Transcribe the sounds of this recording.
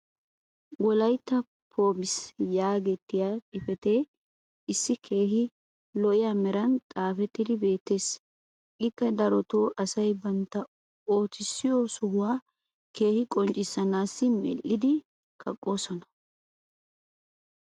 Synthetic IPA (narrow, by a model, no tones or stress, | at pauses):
ɡɔlɐjt̪ːɐ | pʰo̞ːbɪsjaːɡɛt̪ːɪjaɪfɛt̪e̞ː | ɪsːɪkʰe̞ːɦɪ | lɔʔɪjamɛɾɐnt̪ʼaːfɛt̪ːɪd̪ɪbe̞ːt̪ːe̞ːs | ʔɪkːɐd̪ɐɾɔt̪oːʔɐsɐjbɐnt̪ːɐ | oːt̪ɪsːɪjɔsʊhʊwaː | ke̞ːhɪkʼɔnt͡ʃʼɪsːɐnaːsːɪmɛ̰lːɪd̪ɪ | kʰɐkʼːo̞ːsɔnɐ̥